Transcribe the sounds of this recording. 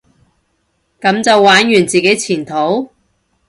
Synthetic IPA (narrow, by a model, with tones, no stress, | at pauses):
kɐ˨˥mt͡sɐ˨wːaː˨˥njyː˨˩nt͡siː˨ke˨˥jt͡sʰiː˨˩nt̪ʰo˨˥w